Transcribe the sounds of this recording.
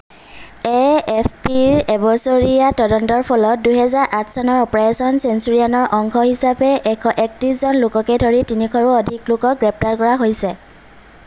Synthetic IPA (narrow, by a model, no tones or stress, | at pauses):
eɛpʰpiɹɛbɔsoɹiatɔdɔntɔɹpʰɔlɔt̚duɦɛzaɹʔatʰsanɔɹɔpɹasɔnsensuɹianɔɹʔɔŋkʰɔhisapɛʔɛkʰɔʔɛk̚tɹiszɔnlʊkɔkɛdʱoɹitinikʰɔɹuɔdʱiklʊkɔk̚ɡɹɛp̚ʰtaɹkɔɹaɦojsɛ